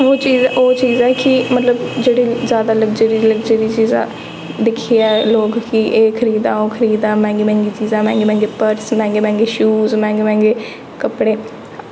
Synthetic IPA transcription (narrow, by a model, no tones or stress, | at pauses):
oːt͡ʃiːzoːt͡ʃiːzɛːkɪmət̪ləbd͡ʒeːɽiːzjaːd̪aːləɡd͡ʒəɾiːləɡd͡ʒəɾiːt͡ʃiːzã̰ː | d̪ɪkʰːiːɛːloːkkɪʔeːkʰəɾiːd̪ãːoːkʰəɾiːd̪ãːmɛ̃ːŋɡeːmɛ̃ːŋɡiːt͡ʃiːzãːmɛ̃ːŋɡeːmɛ̃ːŋɡeːpəɾsmɛ̃ːŋɡeːmɛ̃ːŋɡeːʃuːzmɛ̃ːŋɡeːmɛ̃ːŋɡeː | kəpɽeː